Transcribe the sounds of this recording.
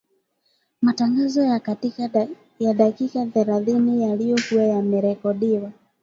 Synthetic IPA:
mataŋɡazɔjakatika | jaɗakikaθɛɾaθinijalijɔkuwajamɛɾɛkɔɗiwa

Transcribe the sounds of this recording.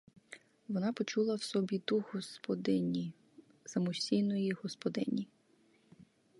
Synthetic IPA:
ʋɔnɑpɔt͡ʃulˠɐwsɔbʲid̪uhɔspɔd̪ɪnʲi | sɐmʊʃʲsʲijnɔjiɦɔspɔd̪ɪnʲi

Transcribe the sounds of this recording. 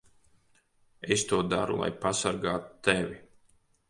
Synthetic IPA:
est̪uɔd̪aɾṵlˠa̰jpasaɾɡaːt̪u̥t̪ɛvʲi

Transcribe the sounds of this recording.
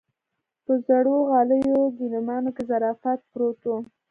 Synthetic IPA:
pəzaɽoɣɑləjoɡ̪inʊmɑnokezaɾɑfat̪̚pɾot̪o

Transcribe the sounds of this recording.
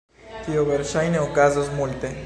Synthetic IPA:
t̪ioβeɾʃajneokazozmult̪e

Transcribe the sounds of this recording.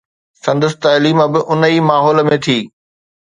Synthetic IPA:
sɐ̃nd̪əst̪aːliːməbɪʔʊnəiːmaːɦɔːlə̆mẽt̪ʰiː

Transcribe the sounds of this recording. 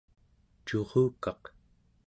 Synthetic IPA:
t͡ʃo̞ʁuːkɑq

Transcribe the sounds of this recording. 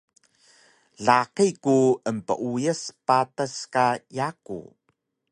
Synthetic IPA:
ɮaqikuəmpə̰ʔujəspatəskajakṵ

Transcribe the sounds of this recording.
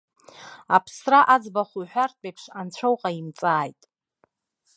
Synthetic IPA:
apʰsraʔad͡zbaχuħʷᶣart̚ʰʼejpʰʂant͡ɕʷʰowqʼaimt͡sʼaːjtʼ

